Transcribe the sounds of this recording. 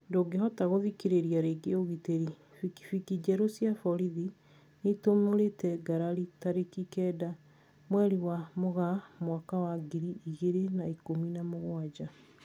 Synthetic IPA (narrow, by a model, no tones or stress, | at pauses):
ndoɡeɦɔtaɣoðikiɾeɾiaɾeɡeoɣiteɾi | fiki̥fikid͡ʒɛɾosjafɔɾiði | netomoɾetɛɡaɾaɾitaɾekikɛːda | mwɛɾiwamoɣamwakawaɡiɾiiɣeɾenaikominamoɣwad͡ʒa